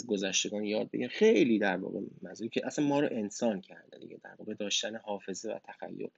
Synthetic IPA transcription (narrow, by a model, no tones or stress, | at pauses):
zɡo̞zæʃt̪e̞ɡɒːnjɒːd̪̚be̞̰ɟæmxe̞jliːd̪æɾvɒ̰ːɣemænzuːɾicʰeʔæsænmɒːɾoʔe̞nsɒːncʰæɾd̪ed̪ḭɡɟḛd̪æ̰ɾvɒ̰ːɣed̪ɒːʃt̪ænehɒːfe̞zevæ̰t̪ʰæxæ̰jːo̰ɾ